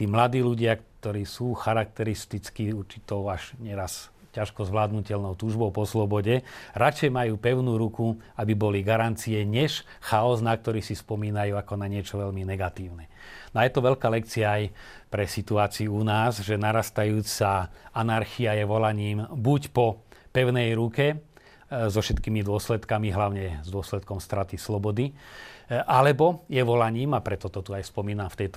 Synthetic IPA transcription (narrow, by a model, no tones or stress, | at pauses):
t̪iːmlad̪iːluɟɪakt̪ɔɾiːsuːxaɾak̚t̪ɛɾist̪it͡skiuɾt͡ʃit̪ɔʊaʒɲɛɾas | caʃkɔzʋlaːd̪nucɛlnɔʊt̪uːʒbɔʊpɔslɔbɔɟɛɾat͡ʃɛjmajuːpɛʊnuːɾuku | abibɔliɡaɾant͡siɛɲɛʃ | xaɔznak̚t̪ɔɾiːsispɔmiːnajuːakɔnaɲɪɛt͡ʃɔʋɛlminɛɡat̪iːʊnɛ | najɛt̪ɔʋɛlkaːlɛkt͡siaaj | pɾɛsit̪uaːt͡siuunaːzʒɛnaɾast̪ajuːt͡saanaɾxiajɛʋɔlaɲiːmbucpɔpɛʊnɛjɾukɛ | zɔfʃɛt̪kiːmid̪ʊɔslɛt̪kamiɦlaʊɲɛzd̪ʊɔslɛt̪̚kɔmst̪ɾat̪islɔbɔd̪i | ʔalɛbɔjɛʋɔlaɲiːmapɾɛt̪ɔt̪ɔt̪uajspɔmiːnamft̪ɛjt̪